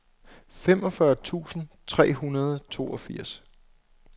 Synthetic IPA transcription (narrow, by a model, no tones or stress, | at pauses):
femɒ̽fɶɐt͡sʰṵːsn̩t͡sʰʁɛ̰ːɦunɐð̞ˠt͡sʰo̝̰ːɒfiɐ̰s